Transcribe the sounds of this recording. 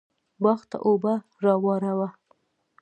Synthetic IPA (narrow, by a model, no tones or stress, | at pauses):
bɑxt̪a̰ʔoba | ɾɑwɑɾawa